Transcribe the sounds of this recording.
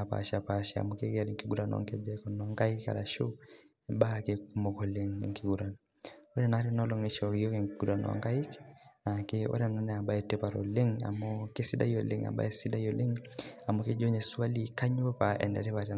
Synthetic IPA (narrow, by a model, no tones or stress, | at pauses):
apa̰ʃapaʃia̰mukekaɾiŋkiɡuɾanɔ̰ŋked͡ʒɛkɔnɔŋɡaika̰ɾa̰ʃu | ɛbakekumɔkɔleŋŋkiɡuɾanɔ | oɾɛnaɾɛnɔlɔŋeʃɔkijɔkɛŋkiɡuɾanɔ̰a̰ŋɡaiknakeo̰ɾananɛabaɛtɛpaɾo̰leŋa̰mokesida̰joleŋa̰ba̰ɛsidajɔleŋamoked͡ʒoɲesualikaɲwɛpaʔɛ̰ndɛɾɛβaɾi